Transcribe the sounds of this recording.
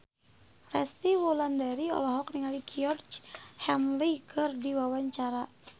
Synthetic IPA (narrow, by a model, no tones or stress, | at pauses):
rɛst̪iwulandaɾiɔ̰lɔɦɔk̚niŋalikiɔrd͡ʒhɛmlikʰərdiwawaɲt͡ʃaɾa